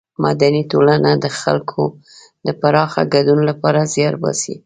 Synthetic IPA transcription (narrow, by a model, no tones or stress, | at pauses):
mad̪anit̪olanad̪əxa̰lkʰo | d̪əpaɾɑxa̰ɡad̪unolapɑɾazjɑɾbɑ̰sḭ